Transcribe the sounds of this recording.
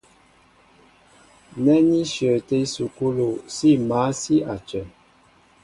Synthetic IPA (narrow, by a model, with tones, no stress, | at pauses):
nɛ˦ni˦ʃjə˨te˦su˨ku˦lo˨si˦ma˨˦si˦a˨t͡ʃɛ˨n